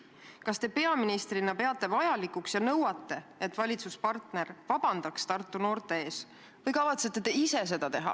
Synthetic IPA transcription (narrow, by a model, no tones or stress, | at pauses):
kɑst̪e̞pe̞ɑminist̪rinɑpe̞ɑt̪ːˑe̞vɑjɑlikuksjɑnɤwɑt̪ˑːe̞et̪ːˑvɑlʲit̪suspɑrt̪ne̞rvɑb̥ɑnd̪ɑkst̪ɑrt̪ːˑuno̞ːrt̪e̞e̞ːs | vɤjkɑvɑt̪se̞t̪ːˑe̞t̪e̞ise̞s̬e̞d̪̥ɑt̪e̞ɦɑ̰